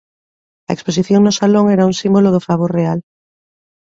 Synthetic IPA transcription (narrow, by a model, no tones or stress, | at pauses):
ɐ̰ekspos̬iθjoŋnosaloŋeɾauŋsimboloðofaβ̞oɾreal